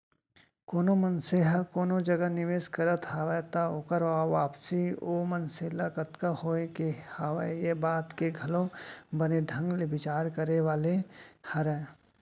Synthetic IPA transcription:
koːnomənseːɦəkoːnod͡ʒɐɡanɪʋeːskɐɾət̪ʰɦaːʋəjt̪aoːkəɾʋaːʋaːpsioːmənselakət̪kahoːekehaːʋəjebaːt̪keɡʱɐlõbɐneɖʱɐ̃ŋɡlebɪt͡ʃaːɾkəɾeʋaːlehɐɾɛː

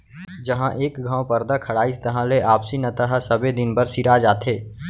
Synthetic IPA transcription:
d͡ʒəɦãʔeːkɡʱãːwpəɾd̪akʰɐɽaːist̪ɐɦãleʔaːpsinɐt̪əɦəsəbed̪ɪnbəɾsiɾad͡ʒaːt̪ʰeː

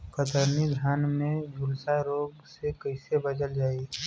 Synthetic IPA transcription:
kət̪əɾnid̪ʱjaːnmẽbʊɾsaɾoːbsekəɪsebɐd̪əld͡ʒaːi

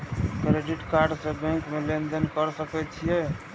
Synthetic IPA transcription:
kɾeɖiʈkaɾɖsẽbɛ̃ŋkmelend̪ənkəɾsəkɛt͡ʃʰijɛ

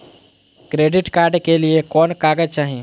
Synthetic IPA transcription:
kɾeɖiʈkaɾɖkeliekɔnkaɡət͡ʃaɦi

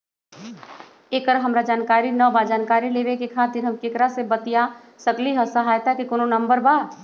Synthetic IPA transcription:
eːkəɾɦɐmɾad͡ʒaːnkaːɾinɔbad͡ʒaːnkaːɾileːʋekekʰaːt̪ɪɾɦɐmkekɾasebət̪ija | səkliɦəsəɦaːjt̪akekʊnonɐ̃mbəɾbaː

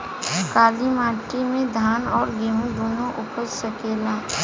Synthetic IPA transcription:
kaːlimaːʈimẽd̪ʱaːnɔːɾɡeːɦũd̪oːnõʔʊpəssəkeːlaː

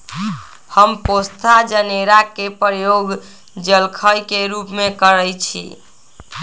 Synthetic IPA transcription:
həmpost̪ʰad͡ʒəneɾakepɾjoɡ | d͡ʒəlkʰəjkeɾupmekəɾəjt͡ʃʰḭ

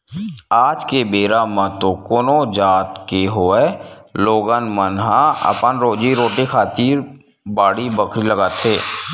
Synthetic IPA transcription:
aːd͡ʒkebeːɾamə̃t̪okoːnod͡ʒaːt̪keɦoeloːɡənmənɦãə̰pənɾoːd͡ʒiɾoːʈekʰaːt̪iːɾ | baːɽibəkʰɾiləɡaːt̪ʰeː

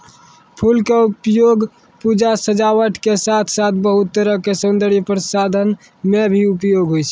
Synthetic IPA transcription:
pʰulkeupjoɡ | pud͡ʒasəd͡ʒawəʈʰkesat̪ʰsat̪ʰbəɦut̪ːəɾəkesənd̪əɽipɾəsad̪ʱən | mebʱiupjoɡɦojt͡ʃʰɛ

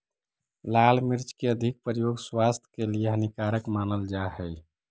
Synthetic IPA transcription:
lalmiɾt͡ʃkeəd̪ʱik̚pɾəjoɡswast̪ʰə̥kelieɦənikaɾəkmanəld͡ʒaɦəj

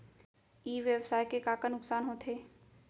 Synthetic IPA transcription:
iːʋjəbsaːjkekaːkanʊksaːnɦot̪ʰeː

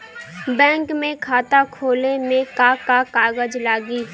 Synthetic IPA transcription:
bɛ̃ːŋkmẽkʰaːt̪akʰoːlemẽkakakaːɣəd͡ʒlaːɡiː

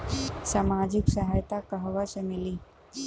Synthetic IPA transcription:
saːmaːd͡ʒɪksɐɦajt̪akɐɦʋasemɪliː

